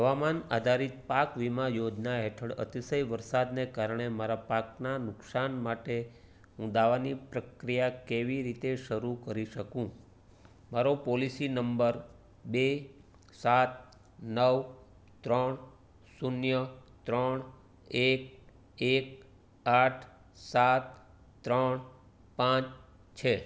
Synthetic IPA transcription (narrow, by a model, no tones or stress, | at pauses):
ɦəʋamanad̪ʱaɾit̪̚pakʋimajod͡ʒnaɦeʈʰəɽə̰t̪isəjʋəɾsad̪nekaɾɳ̃emaɾapak̚nanʊksanmaʈe | ɦũd̪aʋanipɾəkɾijakeʋiɾit̪eʃəɾukəɾiʃəkũ | maɾopɔlisinəmbəɾ | be | sat̪̚ | nəʋ | t̪ɾəɳ | sunjət̪ɾəɳ | ek̚ | ek | aʈʰ | sat̪ | t̪ːɾəɳ | pãt͡ʃ | t͡ʃʰe